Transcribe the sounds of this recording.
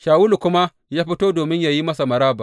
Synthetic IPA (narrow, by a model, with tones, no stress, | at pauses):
ʃaː˨wʊ˦lu˨kʷʊ˦ma˦ | jaː˦ɸɪ˦toː˦doː˨mɪ˦ɲjaː˦ji˦mɐ˦sa˨mɐ˨ɾaː˦ba˨